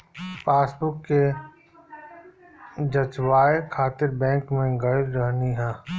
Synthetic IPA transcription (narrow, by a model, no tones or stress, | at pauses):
faːsbʊkːe | d͡ʒɐt͡ʃwaːekʰaːt̪ɪɾbɛ̃ːŋkmẽɡɐiɾəɦniɦɛː